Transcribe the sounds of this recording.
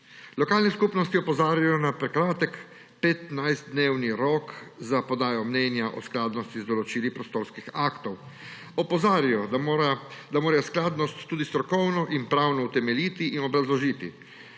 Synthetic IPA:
lɔkaːlnɛskupnɔst̪iɔpɔzaːɾjajɔnapɾɛkɾaːt̪ɛk | pɛt̪najzt̪̚d̪neːwniɾɔːkzapɔd̪aːjɔmnɛːnjaʔɔ̰sklaːd̪nɔst̪izd̪ɔlɔt͡ʃiːlipɾɔst̪oːɾskixakt̪ɔw | ɔpɔzaːɾijɔ | d̪amoːɾajɔsklaːd̪nɔst̪ːuːd̪ist̪ɾɔkɔwnɔʔinpɾawnɔut̪ɛmɛliːt̪iʔinɔbɾazlɔʒiːt̪ḭ

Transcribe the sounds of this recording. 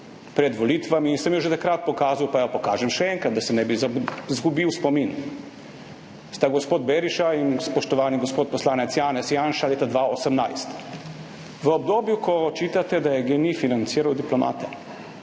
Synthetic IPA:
pɾɛd̪ʋɔliːt̪ʋaminsɛmjoʒɛt̪akɾat̪̚pɔkaːzawpajapɔkaːʒɛmʃɛɛŋkad̪̚d̪asɛnɛbizzɡubiwspɔmin | st̪aɡɔspoːd̪̚beɾiʃainspɔʃt̪ɔʋaːniɡospoːt̪̚pɔslaːnɛt̪sjaːnɛt̪sjaːnʃaleːt̪ad̪ʋaosəmnajst̪ | ʋəɔb̚d̪oːbjukʰɔt͡ʃiːt̪at̪ɛd̪ajɛɡenifinant̪siːɾawd̪iplɔma̰ːt̪ɛ

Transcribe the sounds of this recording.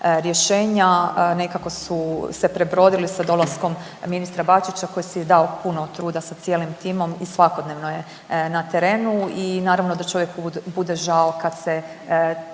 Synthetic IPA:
ɾje̞ʃe̞ːɲane̞kako̞suse̞pɾe̞bɾo̞ːd̪ilisad̪o̞lˠasko̞m | minist̪ɾabat͡ʃit͡ɕako̞jisid̪aopunot̪ɾuːd̪asat̪sjeːlimt̪iːmo̞misʋako̞d̪neʋnoje̞ | nat̪e̞ɾe̞ːnuinaːɾaʋnod̪at͡ʃo̞ʋje̞kubud̪e̞ʒaokad̪se̞

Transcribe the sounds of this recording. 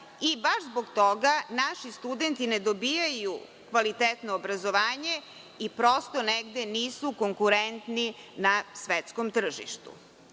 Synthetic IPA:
ibaʃzboɡt̪oɡanaʃist̪ud̪ent̪ined̪obijaju | kʋalit̪et̪noːbɾazoʋaːɲe̞ | ipɾo̞st̪oneɡd̪eniːsukoŋkuɾent̪ninasʋet̪skomt̪r̩ʒḭʃt̪ṵ

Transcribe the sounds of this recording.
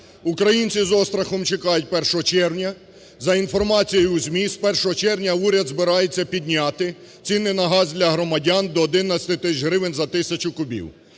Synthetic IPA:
ukɾɐjinʲt͡sʲizɔst̪ɾɐxɔmt͡ʃekɑjʊt̚ʲpɛrʃɔɦɔt͡ʃɛɾwnʲɐ | zɐinfɔrmɑt͡sʲijjʊuzʲmʲispɛrʃɔɦɔt͡ʃɛrwnʲɐuɾʲɐd̪zbɪɾɑjet͡sʲːɐpʲid̪̚ʲnʲɑt̪ɪ | t͡sʲinːɪjnɐɦɑzd̪ʲlʲɐɦɾɔmɐdʲɑnd̪ɔːd̪ɪnɐsʲɐ̥t̪ɪt̪ɪsʲt͡ʃɦɾɪʋɪnʲzɐt̪ɪsʲɐt͡ʃʊkʊbʲḭw

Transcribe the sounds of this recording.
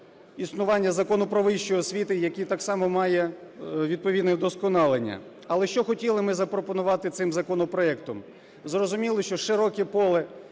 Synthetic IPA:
isnʊʋɑnʲːɐzɐkɔnʊpɾɔʋɪʃt͡ʃɔjɔsʲʋʲit̪ɪjɐkʲit̪ɑksɑmɔmɑjɛ | ʋʲid̪̚pɔʋʲid̪nɛd̪ɔskɔnɑlˠenʲːɐ̰ | ɐlˠɛʃt͡ʃɔxɔtʲilˠɪmɪzɐpɾɔpɔnʊʋɑt̪ɪt̪sɪmzɐkɔnɔpɾɔɛkt̪ɔm | zrɔzʊmʲilˠɪʃt͡ʃɔʃɪɾɔkʲipɔlˠɪ

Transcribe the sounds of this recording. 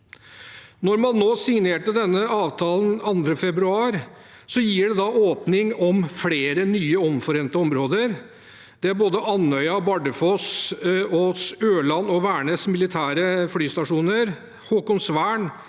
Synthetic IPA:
nɔɾmɑnːoːsɪŋneːʈəd̪ɛnːəɑːʋt̪ʰɑːlənɑnd̪ɾəfɛbɾʉɑːɾ | sɔjiːɖɛd̪ɑoːpnɪŋɔmfleːɾənyːəɔmfɔɾɛnt̪əɔmɾoːd̪əɾ | d̪̥ɛæɾboːd̪əʔɑnœʏɑbɑɖəfɔs | oːsøːlɑnɔʋæːɳəsmɪlɪt̪ʰæːɾəflyːst̪ɑʂuːnəɾ | hɔːkɔŋsʋæːɳ

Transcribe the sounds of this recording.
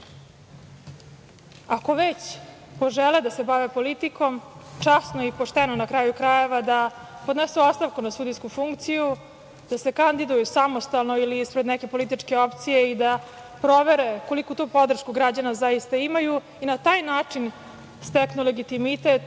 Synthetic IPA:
ako̞ʋet͡ɕ | po̞ʒeled̪ase̞baʋepo̞lit̪iko̞mt͡ʂasnoipo̞ʂt̪enonakɾaːjukɾaje̞ʋad̪a | pod̪nesuot̪st̪aʋkunasud̪ijskufuŋkt̪siju | d̪̥asekand̪id̪ujusamost̪alˠno̞iliispɾed̪nɛke̞po̞lit̪̬it͡ʂke̞opt̪sije̞id̪a | pɾo̞ʋe̞ɾeko̞likut̪opo̞d̪r̩ʃkuɡɾad͡ʑanazaist̪aimaju | inat̪aːjnaːt͡ʂin | st̪eknule̞ɡit̪imit̪et̪

